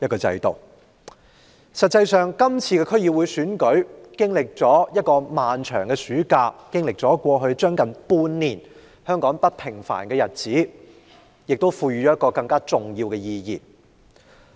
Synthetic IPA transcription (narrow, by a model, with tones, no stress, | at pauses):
jɐ˥t̚kɔː˧t͡sɐ̰˧jt̪o˨˩w | sɐ˨t̚t͡sːɐ˧jsœː˨ŋkɐ˥mt͡sʰiː˧kɛː˧kʰɵ˥ji˧wu˨˧jsyː˨˥nkɵ˨˥ɥkɪ˥ŋlɪ˨k̚t͡ʃɔː˨˥jɐ˥t̚kɔː˧maː˨nt͡ʃʰœː˨˩ŋkɛ˧syː˨˥kaː˧kɪ˥ŋlɪ˨k̚t͡sɔː˨˥kʷɔː˧ɦɵ˧ɥt͡ʃœː˥ŋkɐ˨˩npuː˧nːiː˨˩n | hœː˥ŋkɔː˨˥ŋpɐ˥t̚pʰɪ˨˩ŋfa̰ː˨˩nkɛː˧jɐ˨t̚t͡siː˨˥ | jɪ˨k̚t̪o˥wfuː˧jɥy˨˩ɔː˨˦jɐ˥tkɔː˧kɐ˧ŋkaː˥t͡sʊ˨ŋjiː˧wkɛ˧jiː˧jḭː˨˩